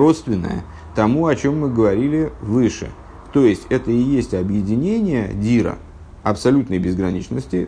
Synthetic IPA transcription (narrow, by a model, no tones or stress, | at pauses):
ro̞t̪st̪vʲɪnːə̰jə̰ | t̪ɐmuɐt͡ɕo̞mːɨɡəvɐɾʲilʲɪvɨʂɨ̰ | t̪o̞jɪsʲtʲɛt̪əɪjesʲtʲɐbjɪdʲɪnʲenʲɪjədʲiɾə̰ | ɐpsɐlʲut̪nəjbʲɪzɡɾɐnʲit͡ɕnəsʲtʲɪ